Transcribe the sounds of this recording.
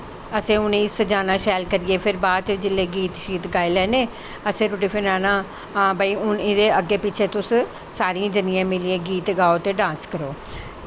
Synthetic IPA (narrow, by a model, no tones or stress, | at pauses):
əsẽːʊniːsəd͡ʒaːnãːʃɛːlkəɾɪeːpʰɪɾbaːd̪̚t͡ʃd͡ʒɪlːeːɡiːt̪ʃiːt̪ɡaːilɛːneː | əsẽːɾʊʈiːpʰənaːnãː | ãːbaːiːʊnɪd̪eːəɡeːpɪt͡ʃʰeːt̪ʊs | saːɾiãːd͡ʒənijãːmɪliẽːɡiːt̪ɡaːoːt̪eːɖãːskəɾoː